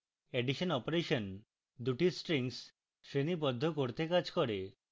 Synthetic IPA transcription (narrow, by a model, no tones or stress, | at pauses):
eɖiʃɔnɔpoɾeʃɔn | d̪uʈisʈɾiŋs | sɾenibɔd̪ʱːɔkoɾt̪ekad͡ʒʱkɔɾe